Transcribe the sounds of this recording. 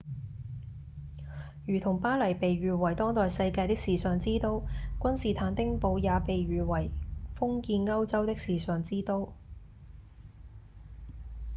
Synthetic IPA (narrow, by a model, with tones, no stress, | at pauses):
ɥyː˨˩t̪ʰʊ˨˩ŋpaː˥lɐ˨˩jpe˨jɥyː˨˩wɐ˨˩jt̪ɔː˥ŋt̪ɔː˨jsɐ˧jkaː˧jt̪ɪ˥k̚siː˨˩sœː˨˩ŋt͡siː˥t̪o˧wkʷɐ˥nsiː˨˩t̪ʰaː˨˧nt̪ɪ˥ŋpo˧wjaː˨˧pe˨jɥyː˨wɐ˨˩jfʊ˥ŋkiː˧nŋɐ˥wt͡sɐ˥wt̪ɪ˥k̚siː˨sœː˨ŋt͡siː˥t̪o˧˥w